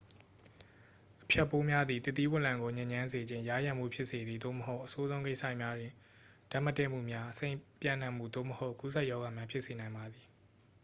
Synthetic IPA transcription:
ʔə̥pʰjɛ˦˨pːo˦mja˦d̪i˨t̪ɪ˦t̪ːi˦wɪ̃˦ʔlã˨ŋɡo˨ɲẽ˨ɲã˦nze˨d͡ʑɪ̃˦˨ja˦˨jã˨m̥ṵ˦˨pʰjɪ˦ʔse˨d̪ði˨d̪o̰˦˨məɦo˦ʊʔəso˦zõ˦ʊ̃k̬e˦ɪsä̰˦˨mja˦dwɪ̃˨ | d̥a˦˨mə˦tɛ̰˦˨m̥ṵ˦˨mja˦ʔəsẽ˦˨ɪ̃pjã̰˦˨n̥ã˨m̥ṵ˦˨d̪o̰˦˨məho˦ʊʔku˦sʰɛ˦ʔjɔ˦ɣa˨mjã˦mpʰjɪ˦ʔse˨nã˨ɪ̃mba˨d̪i˨

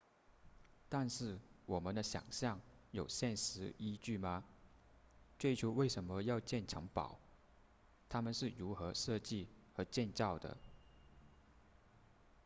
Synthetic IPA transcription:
t̪a˥˧nʂɻ̩˥˩wɔ˨˩mə˧˦nd̪ə˧ɕjɑ̰˨˩ŋɕjɑ˥˩ŋjo˨˩ʊɕjɛ˥˩nʂɻ̩˧˥i˥t͡ɕy˥˩mɐ˩ | t͡swe˥˩ɪt͡ɕʰjo˧˥ʊwe˥˩ɪʂə˧˥nmə˧jɑ˥˧ʊt͡ɕjɛ˥˩nʈ͡ʂʰɤ˧˥ŋpɑ̰˨˩˦ʊ | t̪ʰa˥mə˨nʂɻ̩˥˩ɻu˧˥xɤ˧˥ʂɤ˥˧t͡ɕi˥˩xə˧˥t͡ɕjɛ˥˧nt͡sɑ˥˩ʊd̪ə̰˩

